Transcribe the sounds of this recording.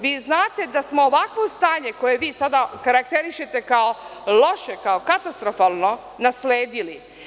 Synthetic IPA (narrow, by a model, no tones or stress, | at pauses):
ʋiːznaːt̪e̞d̪asmo̞ːʋakʋo̞st̪aːɲe̞ko̞je̞ʋiːsad̪akaɾakt̪eɾiʃe̞t̪e̞kaolo̞ʃekaokat̪ast̪ɾo̞faːlˠno̞ | nasleːd̪ili